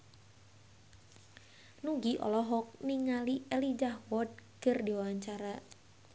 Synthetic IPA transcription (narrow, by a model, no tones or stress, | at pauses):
nuɡiʔɔ̰lɔɦɔk̚niŋalielid͡ʒahwɔd̚kərdiwawaɲt͡ʃaɾa